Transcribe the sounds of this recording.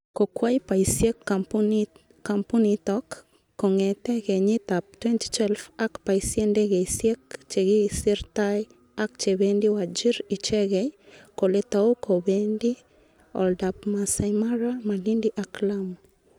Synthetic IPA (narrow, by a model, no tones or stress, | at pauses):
kokwajpaisjek | kampunitɔkː | ɔŋɛtɛɣeɲɪt̪ap̚twɛnti̥t͡ʃwɛlfakpaisjendeɡeisjekt͡ʃeɡisiɾtaj | ak̚t͡ʃebendiwad͡ʒiɾit͡ʃɛɡɛkoletaokʰobendi | ɔ̰ldap̚masamaɾamalindiʔaklam